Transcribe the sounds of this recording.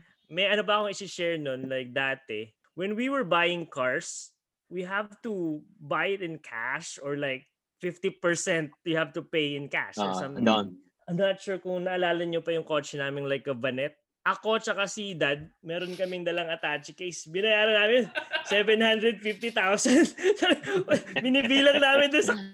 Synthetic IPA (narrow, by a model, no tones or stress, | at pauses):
mɐjɐnopɐʔɐkoŋɪsɪʃɛɹnonlajk̚d̪aːt̪ɛ | wɛ̃nwiwɛɹbajɪ̃ŋkaɹs | wiɦavt̪ubajɪt̪ɪ̃nkʰa̰ʃɔɹlajk̚ | fɪft̪ipɛɹsɛnt̪̚wɪhavt̪upejɪ̃nka̰ʃɛ̰sɐ̃mt̪ɪ | ɐjmnat̪̚ʃuːɹkʊŋnɐʔɐlaːlɐɲopɐjʊŋkot͡ʃɛnaːmɪnlajkːɐbɐnɛt̪̚ | ʔɐko̞t͡ʃɐkasiɪd̪ad̪̚mɛːɾonkɐmɪŋd̪ɐlɐŋɐt̪at͡ʃɪkejsbɪnɐjaːɾɐnaːmɪnsɛvɛnhand̪ɾɛd̪̚fɪft̪it̪awsɐnd̪̚sɐ | mɪnibiːlɐŋnaːmɪnd̪ʊnsɐ